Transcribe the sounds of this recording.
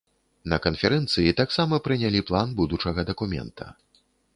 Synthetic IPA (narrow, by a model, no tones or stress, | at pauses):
nɐkɐnfʲɛɾɛnt̪sɨjit̪aksamɐpɾɨnʲalʲiplˠanbud̪ut͡ʂɐɣɐd̪ɐkumʲɛ̰nt̪ʰɐ̰